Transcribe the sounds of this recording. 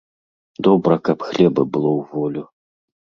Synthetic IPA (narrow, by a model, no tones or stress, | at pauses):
d̪ɔbɾɐkapxlʲɛbɐbɨlˠɔwvɔlʲu